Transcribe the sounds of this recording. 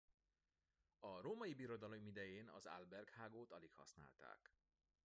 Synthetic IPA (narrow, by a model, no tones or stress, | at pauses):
ɒɾoːmɒjibiɾo̞d̪ɒlo̞mid̪ɛjeːnɒ̰za̰lbɛrkhaːɡoːt̪ɒlikhɒ̰sna̰ːlt̪a̰ːk